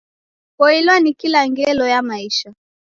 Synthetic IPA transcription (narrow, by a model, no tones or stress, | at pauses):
kɔilwanikilaŋɡɛlɔjamaiʃa